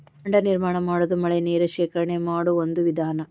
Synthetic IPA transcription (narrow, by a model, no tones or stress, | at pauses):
kɐɳɖɐniɾmaːɳɐmaːɽɐd̪umɐɭeneːɾuʃeːkɐɾɐɳemaːɽuond̪uʋid̪ʱaːnɐ